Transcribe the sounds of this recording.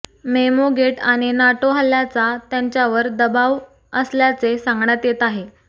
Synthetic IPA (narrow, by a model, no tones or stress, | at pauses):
memoɡeʈaɽ̃inaʈoɦəlːjat͡sat̪jaɲt͡ɕjaʋəɾd̪əbaʋ | əsljat͡sesãŋɡɳjat̪jet̪aɦe